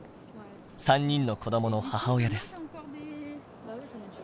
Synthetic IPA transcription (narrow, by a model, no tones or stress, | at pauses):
sãɲ̟ːĩnːo̞ko̞d̪omo̞no̞hahao̞jad̪e̞sɨ̥